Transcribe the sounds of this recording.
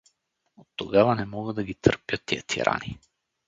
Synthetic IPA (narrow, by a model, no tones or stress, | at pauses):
ot̪ːoɡavanɛmɔɡəd̪aɡit̪rpjat̪ːiɛt̪ʰḭɾʔa̰ni